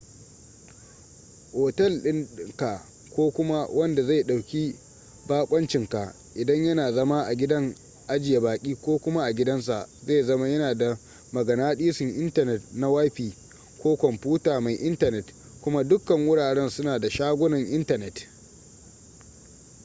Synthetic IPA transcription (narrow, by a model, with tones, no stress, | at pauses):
ʔoː˨tɛ˦˨lɗɪ˦n˦ŋka˨ | kʷoː˦kʷʊ˦ma˦wʔɐ˦nda˨za˦˨jɗa˨wkʲi˦ | baː˦kʷʼɐ˦nt͡ʃɪ˨ŋka˨ | ʔɪ˨dɐ˦ɲjɐ˦naː˨zɐ˦ma˦ʔa˨ɡʲɪ˦dɐ˦ŋ | ʔa˦d͡ʒɪ˨ja˨baː˨kʲʼiː˦kʷoː˦kʷʊ˦ma˦ʔa˨ɡʲɪ˦dɐ˦ns̬a˨ʔza˦˨zɐ˦ma˦jɐ˦naː˨da˨ | mɐ˨ɡɐ˨naː˦ɗiː˦sɪ˨ŋʔɪ˦ntɐ˨nɛ˨tna˦wa˦jɸiː˨ | kʷoː˦kʷɔ˨mpuː˦taː˨ma˨jʔɪ˦ntɐ˨nɛ˨t | kʷʊ˦ma˦dʊ˦kːɐ˨ŋwʊ˦ɽaː˨ɽɛ˦nsʊ˦naː˨da˨ʃaː˦ɡʷʊ˦nɐ˨ŋʔɪ˦ntɐ˨nɛ˨t